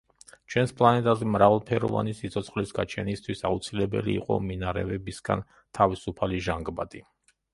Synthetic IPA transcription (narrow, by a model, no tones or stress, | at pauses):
t͡ʃʰwɛnspʰʼlˠanɛt̪ʼazɛmɾavalˠpʰɛɾɔ̰va̰nisit̪sʰʼɔt̪sʰχlisɡat͡ʃʰɛnist̪ʰwisaut̪sʰilɛbɛ̰liːqʼɔ̰minaɾɛ̰vɛbisɡ̥a̰n | t̪ʰavisupʰaliʒaŋɡbad̪ʼi